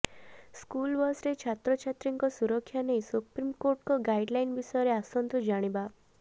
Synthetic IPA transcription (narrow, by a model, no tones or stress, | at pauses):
skulbɔsɾet͡ʃʰat̪ɾɔt͡ʃʰat̪ɾiŋkɔsuɾɔkʰːjanejsupɾimkoɾʈkɔɡajɖlainbisɔjɾeasɔnt̪ɔd͡ʒaɽ̃iba